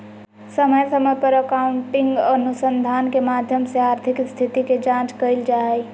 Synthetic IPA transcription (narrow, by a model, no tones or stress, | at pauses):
səməjsəməjpəɾəkauɳʈiŋɡənusənd̪ʱankemad̪ʱjəmseaɾt̪ʰikst̪ʰit̪iked͡ʒãt͡ʃkəɪld͡ʒaɛj